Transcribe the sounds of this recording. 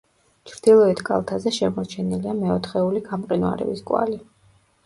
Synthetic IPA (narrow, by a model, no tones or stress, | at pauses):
t͡ʃʰɾd̪̥ilˠɔɛt̪ʰkʼa̰lˠt̪ʰazɛʃɛmɔɾt͡ʃʰɛniliamɛɔt̪ʰχɛuliɡamqʼinwa̰ɾɛ̰biskʼwa̰li